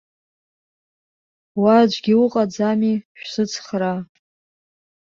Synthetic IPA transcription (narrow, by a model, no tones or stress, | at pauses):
wad͡ʒʷɡʲiuqʼad͡zamiʃᶣsɨt͡sʰχra